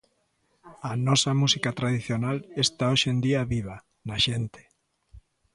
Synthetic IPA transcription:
ɐnɔsɐmusikat̪ɾaðiθjonalest̪aoʃend̪iɐβiβ̞a | naʃent̪e̥

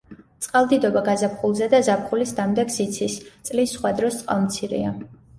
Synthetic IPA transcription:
t̪sʼqʼalˠd̪id̪ɔbaɡazapχulˠzɛd̪azapχulisd̪amd̪ɛksit̪sʰist̪sʼlisːχwad̪ɾɔst̪sʼqʼa̰lˠmt̪sʰiɾḭa

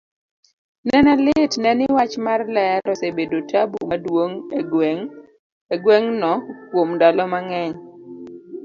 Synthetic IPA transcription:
nɛnɛlɪtnɛnɪwat͡ʃmarlɛɾɔsebedotʰabṵmadwoŋŋ | eɡwɛŋnɔkwomdalɔmaŋɛɲ

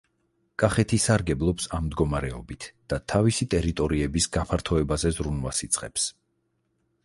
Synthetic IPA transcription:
kʼaχɛt̪ʰisaɾɡɛblˠɔpsammd̪ɡɔmaɾɛɔ̰bit̪ʰd̪̥at̪ʰavisit̪ʼɛɾit̪ʼɔɾiɛbisɡapʰaɾt̪ʰɔɛbazɛzɾunwasit̪sʼqʼɛps

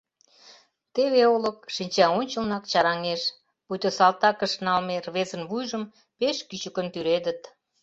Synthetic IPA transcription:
t̪eβeolək̚ʃinʲt͡ɕɑonʲt͡ɕə̆lnɑkt͡ɕɑɾɑŋeʃ | put̪osɑlt̪ɑkəʃnɑlmerβezənβujʒəm | peʃkyt͡ɕəkənt̪yɾed̪ə̆t̪

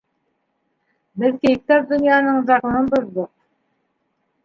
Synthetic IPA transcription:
bɘðkejk̚t̪ɑp̚d̪ɵ̆njɑnɤɴzɑqɤ̆nɤnboðd̪ɤq̚

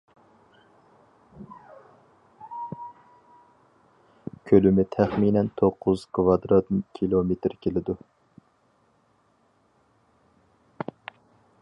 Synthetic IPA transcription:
kʲʰølymɪt̪ʰæχminɛnt̪ʰoqʰːʊz̥kʰvɑd̪ɾɑt̪kʲʰilˠomet̪ɾkʲʰelɪd̪u

